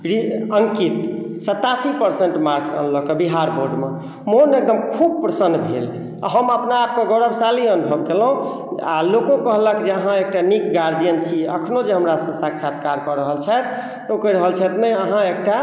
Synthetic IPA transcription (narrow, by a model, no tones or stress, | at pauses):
ɾiəŋkit̪ | sət̪ːasipəɾseɳʈmaɾksə̰nləkebiɦaɾboɾɖme | monek̚d̪əmkʰub̚pɾəsənːbʱḛl̰ | ɦəməpnaːp̚keɡəɾəbsaliənubʱəbkelɦũ | a̰lokõkəɦləkd͡ʒeəɦãek̚ʈanikɡaɾd͡ʒijənt͡ʃʰiəkʰnod͡ʒeɦəmɾasə̃saksat̪̚ʰkaɾkɔɾəɦəlt͡ʃʰɛt̪ | okəɾəɦəlt͡ʃʰɛt̪meəɦãek̚ʈa